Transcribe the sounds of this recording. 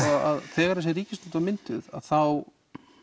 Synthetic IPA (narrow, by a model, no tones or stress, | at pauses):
aa̰ðθɛːɣaɾasjɛɾiːcɪst̪ut̪vamɪnt̪ʏða̰ðθaw